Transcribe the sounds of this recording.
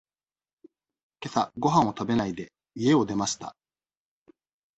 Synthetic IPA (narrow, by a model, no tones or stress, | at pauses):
ke̞saɡo̞ɦãɰ̃o̞t̪obe̞naid̪e̞ | ie̞o̞d̪e̞maɕi̥t̪a̰